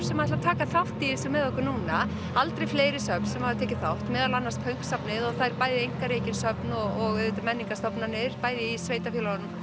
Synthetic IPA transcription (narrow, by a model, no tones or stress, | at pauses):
sɛmaðɛt̪lvat̪ʰaːkaθawht̪iɪsɔmɛðɔhkʏɾnuːna | alt̪ɾejfleːjɾɪsœpnsɛmhaðɪt̪ʰɛːcɪθawht̪mɛːðalanːaɾspʰœɥŋ̥ksapnɪðɔθajɾpaːjðɪejŋkaɾeːjcɪnsœpnɔɣɔɣet̪amɛnːiŋkast̪ɔpnanɪɾ̥paːjðɪisveːjt̪afjœlaanʏm